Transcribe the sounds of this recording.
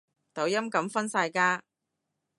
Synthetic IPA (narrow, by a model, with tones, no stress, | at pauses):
t̪ɐ˨˥wjɐ˥mkɐ˨˥mfɐ˥nsaː˧jkaː˥